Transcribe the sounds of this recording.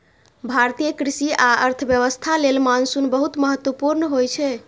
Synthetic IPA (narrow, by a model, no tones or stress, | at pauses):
bʱaɾt̪ijəkɾisiaəɾt̪ʰəbjəʋəst̪ʰalelmansunbəɦut̪məɦət̪wəpuɾnɦojt͡ʃʰɛ